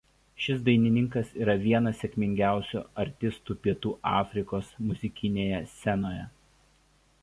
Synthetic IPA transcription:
ʃʲɪsd̪ɐɪnʲɪnʲɪŋkɐsiːɾɐʋʲiɛnɐsːʲɛkʲmʲɪŋʲɡʲæˑʊsʲṵɐɾʲt̪ʲɪst̪uːpʲiɛt̪uːʔɑːfʲɾʲɪkoːsmʊzʲɪkʲɪnʲeːjɛsʲɛnoːjɛ

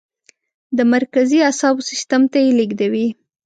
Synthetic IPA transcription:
d̪əmaɾkaziasɑbsɪst̪amt̪ajeliɡd̪awi

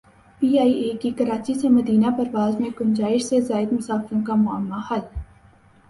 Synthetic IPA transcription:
piːaːiʔeːkikɐɾaːt͡ʃisemɐd̪iːnapɐɾʋaːzmẽkʊnd͡ʒaːɪʃsezaːɪd̪mʊsaːfɾõkamʊəmːahɐl

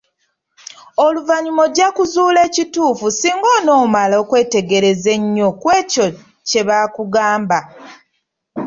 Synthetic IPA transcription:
o̞luvaɲumo̞ɟakuzuːle̞ːcituːfusiːŋɡoːno̞ːmalo̞ːkwe̞ːte̞ɡe̞ɾe̞ze̞ɲːo̞kwe̞ːco̞ | ce̞βaːkuɡaːmba

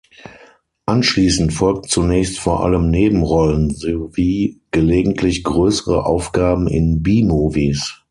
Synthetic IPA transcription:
ʔanʃliːsn̩tfɔlk̚tt͡sunɛːçstfoːɐʔa̰ləmneːbm̩ʁɔlənzoviːɡ̥əleːɡŋ̩tʰlɪçɡ̥ʁøːsəʁəʔa̰ʊfɡ̥aːbm̩ɪ̰nbiːmoːviːs

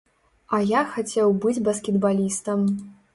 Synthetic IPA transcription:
ɐjaxat͡sʲɛwbɨd͡zʲbɐskʲɛd̪balʲist̪ɐm

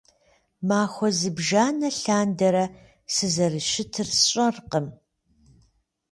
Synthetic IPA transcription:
maːxʷɔzɨbʒaːnɐɬaːndɐɾɐ | sɨzɐrɨʃɪtʰɨrɕʼɐrqəm

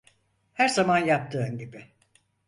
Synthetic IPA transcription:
hæɾzamanjap̚t̪ʰɯːɯnɟibɪ

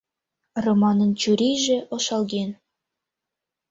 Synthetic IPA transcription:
romɑnɤ̆nt͡ɕuɾʲijʒĕʔŏʃɑlˠɡʲen

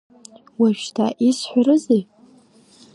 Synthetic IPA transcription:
waʒᶣtʰaʔisħʷᶣaɾɨzej

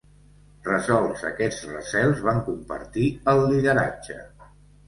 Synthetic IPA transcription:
rəzɔlˠzə̰kɛd͡zrə̰sɛlˠzβaŋkumpə̰ɾt̪iəlˠːiðəɾa̰d͡ʒə

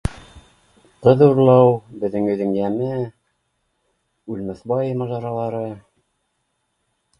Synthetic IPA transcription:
qɤðuɾlˠɑwbɘ̆ðːɘŋɵ̆ðɘ̆ŋjæmɘ | ʉlmæθbɑjemɑʒɑɾɑlˠɑɾɤ

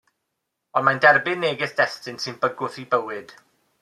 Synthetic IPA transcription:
ɔnmandɛrbɪnːeːɡɪsd̥ɛstɨnsɨnbəɡʊθibəwɨd̥

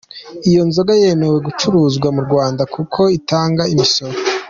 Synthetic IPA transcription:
ijo̞nzo̞ɡaje̞me̞we̞ɡut͡ʃuɾuːzɡwamuɾɡwaːndakʰukʰo̞itaːŋɡaimiso̞ɾo

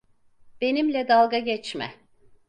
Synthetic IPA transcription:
b̥e̞nimlʲɛd̪alˠɡaɟɛt͡ʃmɛ̰

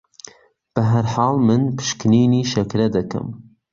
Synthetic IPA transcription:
b̥ɐɦɐɾħɑːlmɨnpʰɨ̥ʃkniːniːʃɐkɾɐd̪ɐkʰɐ̰m

